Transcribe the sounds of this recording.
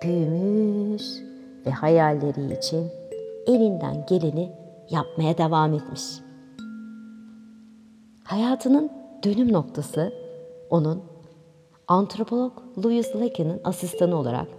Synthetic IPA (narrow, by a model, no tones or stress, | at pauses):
b̥ymyɾ | vɛhajalʲːeɾḭːt͡ʃʰinelʲind̪æ̰nɟe̞lʲini | jap̚majad̪e̞vaːmet̪miʃ | hajaːt̪ʰɯnɯnd̪̥ø̞nymno̞k̚t̪ʰasɯo̞nun | ant̪ɾo̞pʰo̞lˠoklˠujizlˠacʰanɯnasist̪ʰanɯo̞lˠa̰ɾa̰k